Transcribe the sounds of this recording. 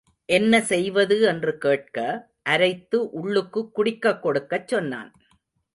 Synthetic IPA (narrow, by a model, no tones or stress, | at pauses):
ʔɛnːɐsɛjʋɐðɯɛndrɯkeːʈ̚kɐ | ʔɐɾɐɪt̪ːɯʔʊɭːɯkːɯkːʊɽɪkːɐkːɔɽɯkːɐt͡ʃːɔnːa̰ːn